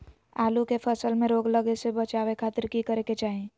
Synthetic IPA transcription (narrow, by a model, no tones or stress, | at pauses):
aːlukepʰəsəlmẽɾoːɡləɡesebət͡ʃaːwekʰaːt̪ɪɾkikəɾeket͡ʃaːɦẽ